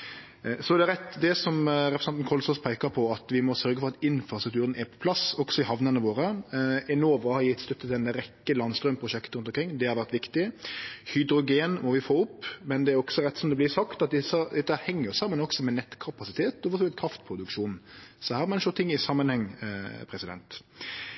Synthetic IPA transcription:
sɔɛd̪ɛɾɛt̪ːd̪ɛsɔmɾɛpɾsɛnt̪n̩kʰɔlsɔspʰæɪkɑpʰɔɑt̪ʋɪmɔsœɾɡəfɔɾɑt̪ɪnfɾɑst̪ɾʉk̚t̪ʉːɾənɛɾpʰɔ̥pʰlɑsɔksɔɪhɑʋnənəʋoːɾəɛnoːʋɑhɑɾjɪt̪ːst̪œt̪ːət̪ʰɪɛnɾɛkːəlɑnst̪ɾœmpʰɾʊʂɛkt̪ɾʉnt̪ɔmŋkʰɾɪŋːd̪ɛhɑɾʋæɾt̪ʋɪkt̪ɪhʏd̪ɾʊɡeːnmɔʋɪfoːʊpːmɛnd̪ɛæɾɔksɔɾɛt̪ːsɔmd̪ɛblɪsɑkt̪ɑt̪̚d̪ɛsəd̪ɛt̪ːəhæɾhɛŋːəɾjʊsɑmːənɔksɔmɛnɛt̪ːkʰɑpɑsɪt̪ʰeːt̪ɔfɔsɔɪt̪kʰɾɑft̪pʰɾʊd̪ʉkʂuːnn̩sɔhæːɾmɛnʃɔt̪ʰːɪŋːɪsɑmːənhɛŋːpʰɾɛsɪd̪ɛ̰nt̪

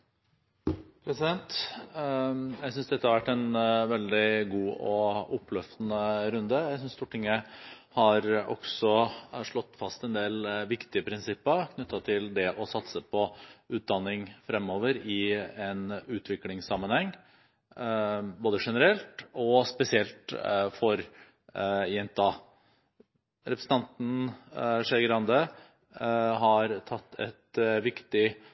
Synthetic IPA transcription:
pʰɾɛsɪd̪ɛnt̪ | jæɪsʏnsd̪ɛt̪ːəhɑɾʋæʈːɛnʋɛld̪ɪɡuːɔʊpːlœft̪nəɾʉnd̪əjæɪsʏnst̪uːʈɪŋːə | hɑɾʔɔ̰ksɔʂɭɔt̪ːfɑst̪ɛnd̪eːlʋɪkt̪ɪəpʰɾɪnsɪpːəɾkʰnʉt̪ːɑt̪ʰɪld̪ɛʔɔsɑt̪səpʰɔʉːt̪̚d̪ɑnːɪŋfɾɛmoːʋəɾɪɛnʉːt̪ʰʋɪklɪŋsɑmːənhɛŋː | boːd̪əʂɛnəɾɛlt̪ɔspɛsɪɛlt̪fɔɾ | jɛnt̪ːɑ | ɾɛpɾəsn̩t̪ɑnt̪n̩ʂɛɾɡɾɑnd̪ə | ɦɑɾt̪ʰɑt̪ːɛ̰t̪ʋɪkt̪ɪ

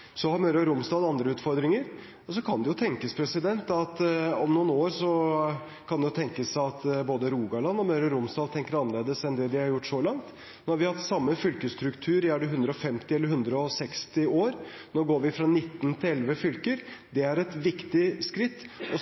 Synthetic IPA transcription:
sɔhɑɾmœʏɾəɾʊmsd̪ɑːd̪ɑnd̪ɾəʉːt̪fɔɾd̪ɾɪŋəɾ | ɔsɔkʰɑnd̪ɛjʊt̪ʰɛŋkəspʰɾɛsɪd̪ɛnt̪ɑt̪ɔmnuːnoːɾsɔ | kʰɑnd̪ɛjʊt̪ʰɛŋkəsɑt̪boːd̪əɾuːɡɑɭɑnːɔmœʏɾɑɾʊmsd̪ɑːd̪̚t̪ʰɛŋkəɾɑnəleːd̪əsɛnd̪ɛd̪ɪhɑɾjʊʈːsɔlɑŋt̪ː | hɑɾʋɪhɑhɑt̪sɑmːəfʏlkəst̪ɾʉkt̪ʰʉːɾæɖɛɦʉnd̪ɾəɔfɛmt̪ɪɛlːəɾɦʉnd̪ɾəɔsɛkst̪ɪoːɾ | noːɡoːɾʋɪfɾɑnɪt̪ːnt̪ʰɪɛlʋəfʏlkəɾd̪ɛæɾɛt̪ʋɪkt̪ɪskɾɪt̪ːɔ

